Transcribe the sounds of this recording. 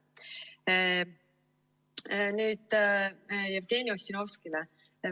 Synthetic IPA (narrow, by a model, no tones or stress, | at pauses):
nyːd̪̥ | jævt̪eːniosino̞fskilɛ